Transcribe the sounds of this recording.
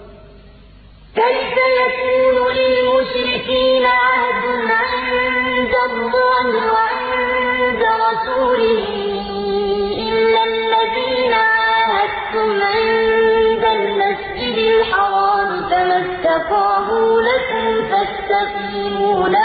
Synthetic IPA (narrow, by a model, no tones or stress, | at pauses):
kajfajakuːnʊlɪlmʊʃɾɪkiːnʕahd̪ʊnʕɪnd̪alːɑːnʕ | nd̪aɾˤɑsuːlɪhɪ | ʔɪlːalːaðiːnaʕajhad̪ | ʊmʕɪɪnnd̪almasd͡ʒɪd̪ɪlħɑɾˤɑːɾt̪amast̪ːafaːɦulakʊmt̪ast̪aq | ɪmuːna